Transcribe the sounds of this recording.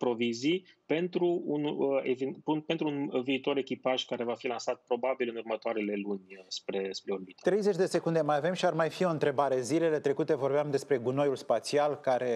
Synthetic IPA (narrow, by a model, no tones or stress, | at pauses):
pɾo̞vizipe̞nt̪ɾuunḛvipunpent̪ɾuunviːt̪o̞ɾe̞kʲipaʒkaɾe̞vafilansat̪̚pɾo̞babilɨnurmət̪oaɾele̞lunʲspɾe̞spɾeorbit̪t̪ɾejzet͡ʃʲd̪e̞se̞kund̪e̞majave̞mʃiarmajfio̞ɨnt̪ɾe̞baɾe̞zile̞le̞t̪ɾe̞kut̪e̞vo̞rbeamd̪e̞spɾe̞ɡuno̞julspat̪sialkaɾe̞